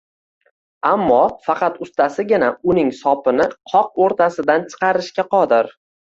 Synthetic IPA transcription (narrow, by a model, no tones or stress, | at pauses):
amːɒfɑqɑt̪ʊst̪ʰasɪɡʲɪnaʊnɪŋsɒpʰɪnɪqʰɒq̚oɾt̪ʰasɪd̪ant͡ʃʰɨ̥qɑɾɪʃkʲaqʰɒd̪ɪɾ